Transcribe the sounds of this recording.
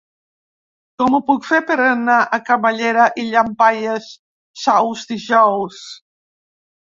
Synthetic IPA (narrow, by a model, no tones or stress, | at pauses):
kɔmupukfepeɾanaʔakamaʎeɾaʔiʎampajesː | awzd̪iʒɔws